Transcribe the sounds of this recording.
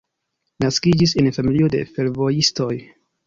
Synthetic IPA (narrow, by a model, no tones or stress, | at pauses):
naskid͡ʒise̞nfamilio̞de̞̰fe̞ɾvo̞jisto̞j